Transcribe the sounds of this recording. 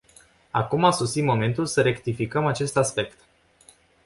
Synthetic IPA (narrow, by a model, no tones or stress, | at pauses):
a̰kumasosimo̞me̞nt̪ulsəɾe̞kt̪ifikəmat͡ʃe̞st̪aspe̞kt̪